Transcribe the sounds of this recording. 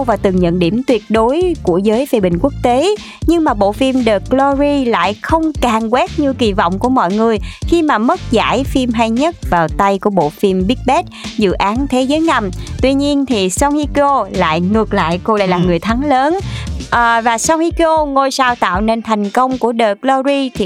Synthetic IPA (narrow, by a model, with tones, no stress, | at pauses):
wvaː˨˩t̪ɨ˨˩ŋɲə̰˧˨nɗi˧˩əmt̪wi˨˩ət̚ɗo˨˦jku˧˩əzəː˨˦jve˨˧˩ɓï˧˨˩ŋ̟ku˦˥ək̚t̪e˨˦ | ɲɨ˧ŋmaː˨˩ɓo̰˧˨fi˧mɗəː˨˩klɔ˧zi˧la̰ː˧˨jxə˧wŋ͡mkaː˨˩ŋkwɛ˦˥t̚ɲɨ˧ki˨˩vɔ̰˧˨wŋ͡mku˧˩əmɔ̰˧˨jŋɨ˨˩əjxi˧maː˨˩mə˦˥t̚za̰ː˧˩jfi˧mɦaː˧jɲə˦˥t̚vaː˨˩wt̪a˧jku˧˩əɓo̰˧˨fi˧mɓi˦˥k̚ɓɛ˦˥t̚zɨ̰˧˨ʔaː˨˦nt̪ʰe˨˦zəː˨˦jŋa˧˩mt̪wi˧ɲi˧ənt̪ʰi˨˩sɔ˧wŋ͡mhi˧ko˧la̰ː˧˨jŋɨ˨˩ək̚la̰ː˧˨jko˧la̰ː˧˨jlaː˨˩ŋɨ˨˩əjt̪ʰa˨˦ŋləː˨˦nʔːvaː˨˩sɔ˧whi˧ko˧ŋo˧jsaː˧wt̪a̰ː˧˨wne˧nt̪ʰɛ˨˩jŋ̟kə˧wŋ͡mku˧˩əɗəː˨˩klɔ˧zi˧t̪ʰi˨˩